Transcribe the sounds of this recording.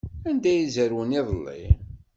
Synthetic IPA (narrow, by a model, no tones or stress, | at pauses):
ænd̪æjizəɾwəniðˤlːḭ